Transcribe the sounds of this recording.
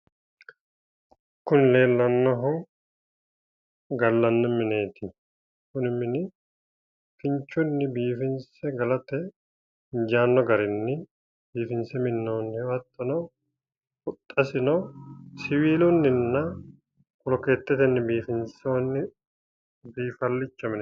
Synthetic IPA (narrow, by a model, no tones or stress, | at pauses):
kʊnɪle̞ːlːɐnːɔɦʊ | ɡɐlːɐnːɔmɪne̞ːt̪ɪ | kʊnɪmɪnɪ | fɪɲt͡ʃːʊnːɪbiːfɪnsɛɡɐlɐt̪ɛ | ɪɲd͡ʒaːnːɔɡɐɾɪnːɪ | biːfɪnsɛmɪnːoːnːɪhwɐt̪ːɔnɐ | ʊt̪ʼːɐsɪnɔsɪwiːlʊnːɪnːɐ | kɔlɔkeːt̪ːɛt̪ɛnːɪbiːfɪnsoːnːɪ | biːfɐlːɪt͡ʃːɐmɪn